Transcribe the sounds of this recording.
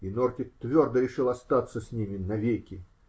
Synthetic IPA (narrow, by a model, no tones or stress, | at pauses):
inort̪ʲɪkt̪vʲord̪əɾʲɪʂɨlˠɐst̪at̪səsʲnʲimʲɪnɐvʲekʲɪ